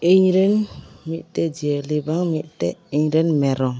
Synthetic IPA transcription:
eɲɾɛnmiʔt̪ɛd͡ʒiɛlibaŋmiʔtɛiɲɾɛnmɛɾɔŋ

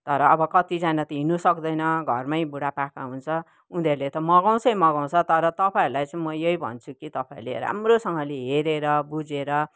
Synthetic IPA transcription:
t̪ʌɾʌːbʌkʌt̪id͡zanat̪ʌɦinusʌkd̪ʌjnʌɡʱʌrmajbuɽapakaɦunt͡sʰʌ | und̪eɾulet̪ʌmʌɡaw̃t͡sʌjmʌɡaw̃t͡sʰʌt̪ʌɾʌt̪ʌpaeɾulajt͡sʌimʌjʌibʱʌ̰nt͡sʰukit̪ʌpaḛɾulḛɾa̰mrosʌŋɡʌleɦeɾeɾʌbud͡zeɾʌ

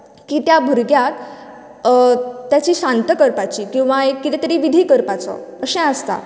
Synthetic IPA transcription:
kiːt̪jabʱuɾɡjat̪ | jat͡ɕiːɕant̪əkəɾpat͡ɕiːkĩw̃ʋaekːit̪ɛt̪əɾiʋid̪ʱiːkəɾpat͡sɔ̰əɕɛ̃əst̪a̰

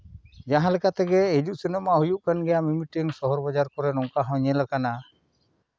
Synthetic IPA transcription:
d͡ʒaɦãlɛkat̪ɛɡɛed͡ʒuʔsɛnɔmaʔɦujuʔkanɡɛjamimiʈɛŋsɔɦɔɾbad͡ʒaɾkɔɾɛnɔŋkaɦɔ̃ɲɛlakana

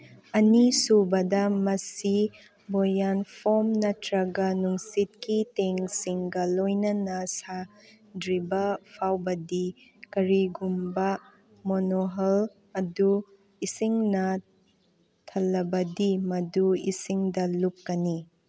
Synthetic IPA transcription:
ɐnisubɐdɐmɐsi | bojanpʰomnɐtɾɐɡɐnuŋsit̚kiteŋsiŋɡɐlojnɐnɐsa | dɾibɐpʰawbɐdikɐɾiɡumbɐ | monoɦɐl | ɐdu | isiŋnɐ | tʰɐlːɐbɐdimɐduisiŋdɐlup̚kɐni

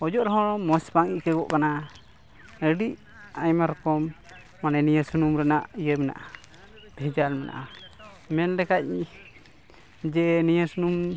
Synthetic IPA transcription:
ɔd͡ʒɔʔɾɔɦɔɽ̃ɔmɔspaŋiʔkɛɡɔʔkana | əɖiʔ | ajmaɾɔkɔmː | ananijəsunumɾɛnaʔijəmɛna̰ʔa | b̥ʱɛd͡ʒalmɛna̰ʔa | mɛnlɛkac̚ | d͡ʒɛnijəsunum

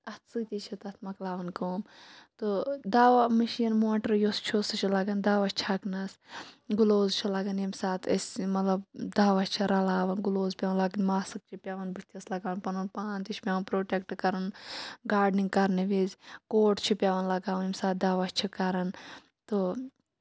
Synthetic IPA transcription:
ɐt̪ʰsɨt̪ʲit͡ʃʰit̪ɐt̪ʰmɐklaːʋɐnkoːmt̪od̪aːʋɐmɐʃiːnmoːʈɐɾjost͡ʃʰosɐt͡ʃʰilɐɡɐnd̪aːʋɐt͡ʃt͡ʃʰɐknɐsɡuloːzt͡ʃʰilɐɡɐnimsaːt̪ʰɐsmɐt̪lɐbd̪aːʋɐt͡ʃt͡ʃʰiɾɐlaːʋɐnɡuloːzpʲaːʋɐnlɐɡɐnmaːsɨk̚t͡ʃʰipʲjaːʋɐnbɨt̪iɐslɐɡaːʋɐnpɐnɐnpaːnt͡ʃ̪it͡ʃʰpʲjaːʋɐnpɾoːʈʲek̚ʈkɐɾɐnɡaːɖniŋɡkɐɾneʋizkoːʈt͡ʃʰupʲjaːʋɐnlɐɡaːʋɐnimsaːt̪̚d̪aːʋɐst͡ʃʰikɐɾɐn | t̪o

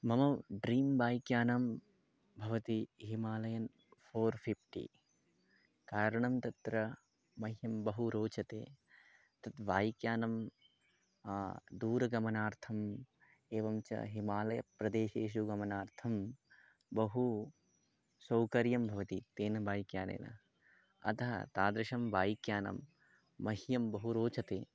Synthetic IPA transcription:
mɐmɐɖɾiːmbaːjkjaːnɐm | bʱɐʋɐt̪iɦimaːlɐjɐn | pʰoːɾpʰipʰʈḭ | kaːɾɐɳɐmt̪ɐt̪ɾɐ | mɐɦjɐmbɐɦuɾoːt͡ʃɐt̪ḛː | t̪ɐt̪ʋaːjkjaːnɐm | d̪uːɾɐɡɐmɐnaːɾt̪ʰɐm | eːʋɐmt͡ʃɐ̰ɦimaːlɐjɐ̰pɾɐd̪eːʃeːʃ̬uɡɐmɐnaːɾt̪ʰɐm | bɐɦu | sɐwkɐɾjɐmbʱɐʋɐt̪it̪eːnɐbaːjikjaːnḛːnɐ̰ | ɐ̰t̪ʰɐɦɐ̰t̪aːd̪ɾɪʃɐmʋaːjikjaːnɐ̰mː | ɐɦjɐmbɐɦuɾoːt͡ʃɐt̪eː

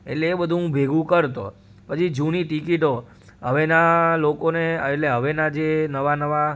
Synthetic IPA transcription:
ḛʈleːbəd̪ʱũɦũbʱeɡũkəɾt̪o̰ | pət͡ʃʰid͡ʒũniʈikiʈo | ɦə̰ʋenalokoneeʈleɦəʋenad͡ʒenəʋanəʋa

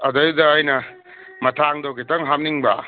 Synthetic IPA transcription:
ɐdɐjdɐːjnɐ | mɐtʰaŋdowkitɐŋɦam̚niŋbɐ̰

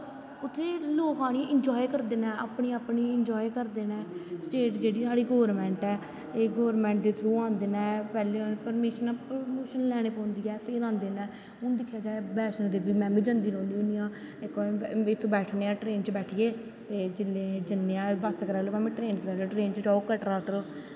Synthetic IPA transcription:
ʊt̪ʰːeːloːkãːɽ̃iʔɪnd͡ʒɔːikəɾd̪eːnɛːa̰ːpɳiːaːpniːɪnd͡ʒɔːikəɾd̪eːnɛːsʈeːʈd͡ʒeːɽiːsaːɽiːɡɔːʋəɾmɛ̃ːɳʈɛː | eːɡoːʋəɾmɛ̃ːɳʈ̚d̪eːt̪ʰɾuːãːnd̪eːnɛ̃ːpɛːleːpəɾmeːʃnaːpomoːʃənlɛːɽ̃eːpɔ̃ːnd̪iːɛːpʰeːɾãːnd̪eːnɛː | ʊnd̪ɪkʰːjaːd͡ʒaːebɛːʃnãːd̪eːbiːmɛ̃ːbĩːd͡ʒə̃nd̪iːɾõːnd̪iːʊnijãː | ɪkːɪt̪ʰːõːbɛːʈʰneːãːʈɾeːnt͡ʃbɛːʈʰieː | t̪eːd͡ʒɪlẽːd͡ʒɪnːeãːbəskəɾaːloːpɛːmẽːʈɾeːnkəɾaːɾoːʈɾeːnt͡ʃd͡ʒaːokəʈɾaːʈəɾo

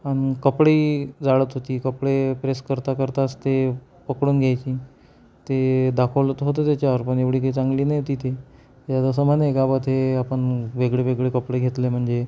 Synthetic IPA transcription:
añkəpɽeːd͡zaɭət̪ɦot̪iːkəpɽepɾeskəɾt̪akəɾt̪ast̪e | pəkɽuːnɡʱjajt͡ɕiː | t̪ed̪akʰəlt̪ɦot̪ət̪jat͡ɕjaəɾpəɳeʋɽiːkait͡saŋɡliːnajot̪iːt̪ʰe | jat̪əs̬əmanekabət̪ʰeapəɳʋeɡɭeʋeɡɭekəpɽeɡʱet̪lem̤əɳd͡ze

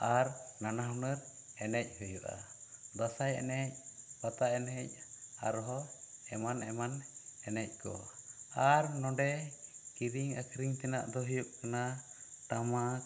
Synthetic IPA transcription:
aɾnanaɦwnəɾ | ɛnɛc̚ˀhəjuʔa̰d̪asajɛ̰nɛc̚pat̪aʔɛnɛc̚aɾɦɔɛmanɛmanɛnɛc̚kɔ̰aɾnɔɖɛkiɾiŋəkʰɾiŋt̪ɛna̰ʔd̪ɔɦəjɔʔkanat̪amak̚

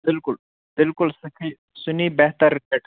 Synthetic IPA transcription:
bɪlkʊl | b̥ɪlkʊlsɐkʰi | sʊniːbɐɦt̪ɐɾːɪt̪eʈ

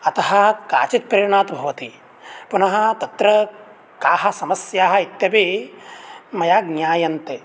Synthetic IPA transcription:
ɐt̪ɐɦɐ̆kaːt͡ʃit̪̚pɾɐjɐɳaːt̪bʱɐʋɐt̪i | punɐɦɐ̆t̪ɐt̪ɾɐ | kaːɦɐ̆sɐmɐsjaːɦɐ̆it̪jɐbi | mɐjaːɡ̚njaːjɐnt̪e

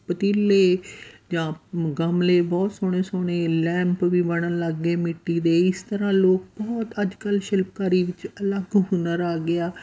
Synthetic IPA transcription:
pət̪iːlːeːd͡ʒãːɡəmleːbɔːt̪soːɳ̃eːsoːɽ̃eːlɛ̃ːmpʋiːbəɳənləɡːeːmɪʈːiːd̪eːɪst̪əɾãːloːk̚bɔːt̪əd͡ʒkəlʃɪlp̚kaːɾiːʋɪt͡ʃələɡɦʊnəɾaːɡɪaː

